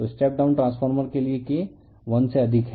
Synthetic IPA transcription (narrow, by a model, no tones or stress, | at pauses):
t̪osʈeːp̚ɖaʊ̃nʈɾãːsfʰəɾməɾkelieke | ʋɐnseɐd̪ʱɪkɦɛ